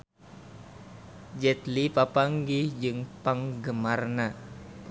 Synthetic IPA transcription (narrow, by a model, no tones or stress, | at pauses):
d͡ʒɛt̪lipapaŋɡid͡ʒɨŋpaŋɡəmarna